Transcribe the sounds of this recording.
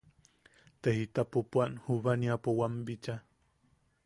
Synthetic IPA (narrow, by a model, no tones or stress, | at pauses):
t̪ehit̪apopwanhuβaniapowambit͡ʃa